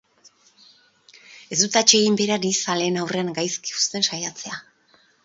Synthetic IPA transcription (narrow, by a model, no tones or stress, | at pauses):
e̞zd̪ut̪at͡ʃe̞ɣimbe̞ɾanisale̞ːnawre̞aŋɡajski̥ust̪e̞nʃajat͡se̞a